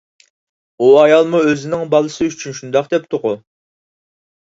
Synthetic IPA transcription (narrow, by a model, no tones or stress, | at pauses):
uɑjɑlˠmuøzɪnɪŋbɑlˠɨsɨyt͡ʃʰynʃund̪ɑqd̪ɛp̚t̪ʰʊqʊ